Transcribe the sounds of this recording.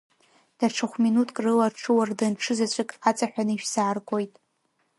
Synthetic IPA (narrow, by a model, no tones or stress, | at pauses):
d̥aʈ͡ʂʰɨχʷminutʰʼkʼrɨlarʈ͡ʂʰɨwardanʈ͡ʂʰɨzat͡ɕʷʰʼɪkʼat͡sʼaħʷᶣanɨiʃsaːrkʷʼo̞jtʼ